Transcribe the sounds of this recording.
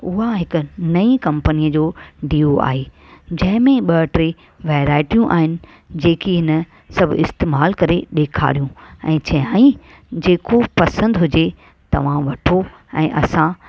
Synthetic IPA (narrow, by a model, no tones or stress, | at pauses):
ʊɦaɦɪkʊ̆nɐikɐ̃mpənijəd͡ʑoːɖiːoa̰ːɦeː | d͡ʑɐ̃ɦɪ̃mẽɓɐʈɾe | ʋeːɾaːɪʈijũʔa̰ːɦɪnɪ̆ | d͡ʑeːkiɦɪnə | sɐbʱʊɪst̪eːmaːlkɐɾeɗeːkʰa̰ːɾijũɛ̃ːt͡ɕɐɦaːi | d͡ʑeːkopɐsə̃nd̪ɦʊd͡ʑe | t̪ɐ̰ʋ̤ãʋɐʈʰo | ɛ̰̃ːʔɐsã